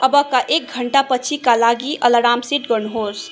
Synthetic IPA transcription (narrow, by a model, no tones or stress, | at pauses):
əbəkaʔek̚ɡʱəɳʈapət͡ʃʰikalaɡiʔələɾaːmsiʈ̚ɡəɾnɦos